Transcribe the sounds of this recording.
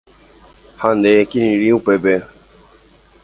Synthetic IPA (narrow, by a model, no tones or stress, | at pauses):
hãnd̪ekinĩɾiupɛbɛ